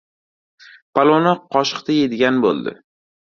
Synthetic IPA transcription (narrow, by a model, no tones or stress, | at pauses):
pʰalˠonaqʰɒʃɨ̥qt̪ʰaje̞d̪ɪɡʲanbo̰lˠd̪ɪ̰